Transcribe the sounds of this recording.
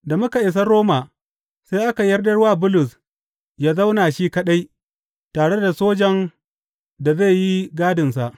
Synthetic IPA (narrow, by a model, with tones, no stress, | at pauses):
da˨mʊ˦ka˨ʔɪ˨s̬ɐ˦ɾoː˦maː˨ | sa˦jʔa˦ka˨jɐ˦rdɐ˦rwaː˦bʊ˦lʊ˨s | jaː˦za˦wnaː˨ʃiː˦kɐ˦ɗa˦j | taː˨ɽe˦da˨soː˦d͡ʒɐ˨n | da˨ze˦˨ji˦ɡaː˦dɪ˨nsa˨ʔ